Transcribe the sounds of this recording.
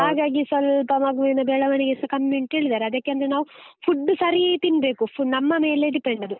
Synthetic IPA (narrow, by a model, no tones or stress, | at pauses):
haːɡaːɡisʋɐlpɐmɐɡʋinɐbɛːɭɐʋɐɳeɡesɐkɐmːuɳʈeːɭid̪aːɾeɐd̪ɐkːeɐnd̪ɐɾenaːʋu | pʰuɖːusɐɾiɐjt̪inbe̞ːkupnɐmːɐmeːleɖipeɳɖɐd̪u